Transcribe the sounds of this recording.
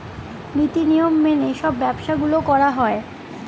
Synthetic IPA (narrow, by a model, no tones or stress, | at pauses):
nɾit̪inijomːeneʃɔbːɛbʃaɡulokɔɾaɦɔe